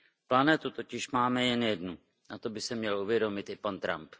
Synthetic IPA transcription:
planɛt̪ut̪o̞cɪʃmaːmɛjɛnjɛdnu | nat̪o̞bɪsɛmɲɛluvjɛdo̞mɪt̪ɪpant̪ɾa̰mp

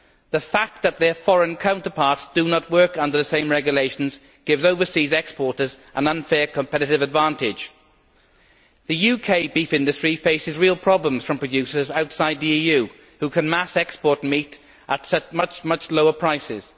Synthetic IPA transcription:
ðəfak̚ðət̪̚ðəfɔɹə̃nkʰãʊ̃ntəpʰɑˑɹtsd̥ənəʔwɜˑ˞kʌ̃ndəðəsẽɪ̃mɹɛɡjəleɪʃə̃n̩z | ɡ̥ɪvzoʊvəsiːzɛkspɔɹɾəzʔə̃nʌ̃nfɛːɹkʰə̃mpʰɛɾɪɾɪvədvãˑntɪ̥d͡ʒ | ðəjʉkʰeɪbiˑfɪ̃ndɨstɹ̥ifeɪsɪzɹilˠpʰɹ̥ɒblə̃mz̥fɹə̃mpʰɹ̥ədjʉˑsəzaʊtsaɪd̪̚ðiiːjʉː | hukʰə̃nmasɛkspɔɹt̚miˑt | ʔətsʌt͡ʃmʌt͡ʃmʌt͡ʃloʊəpʰɹ̥aɪsɪ̰z̥

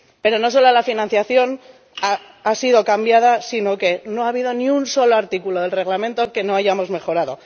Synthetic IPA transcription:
pe̞ɾo̞no̞s̬o̞lalafinãn̟θjaθjo̞n | a | asiðo̞kambjað̞asino̞ke̞no̞aβ̞iðo̞niunso̞lo̞aɾt̪ikulo̞ðelre̞ɣlamẽ̞nt̪o̞ke̞no̞aʝamo̞zme̞xo̞ɾaðo̞

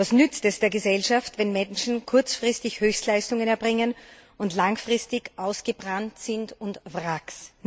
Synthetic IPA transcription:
vasnʏt͡stɛsd̥eːɐɡəzɛlʃaftvɛnmɛnʃn̩kʰʊɐt͡sfʁ̥ɪstɪçhøːçstlaɪstʊŋənɛɐbʁɪŋənʊntlaŋfʁ̥ɪstɪçʔaʊsɡ̥əbʁantsɪntʊntvʁaks

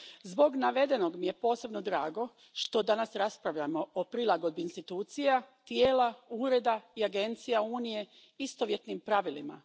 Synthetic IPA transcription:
zbo̞ɡnaʋe̞d̪eno̞ɡmije̞po̞ːse̞bno̞d̪ɾaːɡo̞ | ʃt̪o̞d̪anasɾaspɾaʋʎamo̞opɾilˠaɡo̞d̪̚biːnst̪it̪uːt̪sijat̪jeːlauːɾe̞d̪aiaɡe̞nt̪sijauːnije̞ | ist̪oʋje̞t̪nimpɾaʋilima̰

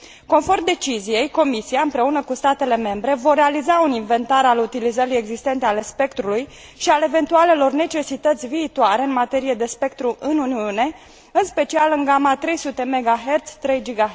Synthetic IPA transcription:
ko̞nfo̞rmd̪e̞t͡ʃizije̞jko̞misiaɨmpɾe̞unəkust̪at̪e̞le̞me̞mbɾe̞vore̞alizauninve̞nt̪aɾalut̪ilizəɾije̞ɡzist̪e̞nt̪e̞ale̞spe̞kt̪ɾuluj | ʃiale̞ve̞nt̪uale̞lo̞rne̞t͡ʃe̞sit̪ət̪sʲviːt̪uaɾe̞ɨnmat̪e̞ɾije̞d̪e̞spe̞k̚t̪ɾuʔɨnuniune̞ | ɨnspe̞t͡ʃialɨŋɡamat̪ɾe̞jsut̪e̞me̞ɡaɦe̞rt̪sʲt̪ɾe̞jd͡ʒiɡa

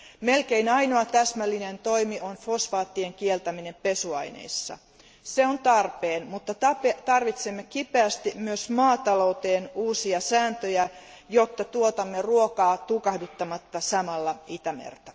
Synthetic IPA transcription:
me̞lkeinɑjnoɑt̪æsmælːinent̪o̞imiʔonfo̞sfɑːt̪ːieŋkielt̪æmine̞mpe̞suɑ̰jnḛijsːɑ̰ | se̞ont̪ɑrpeːnmut̪ːɑtɑpet̪ɑrʋit̪semːekipeæst̪imyøsmɑːt̪ɑlo̞wt̪eːnuːsiɑsæːnt̪øjæ | jo̞t̪ːɑt̪uot̪ɑmːeruokɑːt̪ukɑhdut̪ːɑmɑt̪ːɑsɑmɑlːɑit̪æmḛrt̪æ

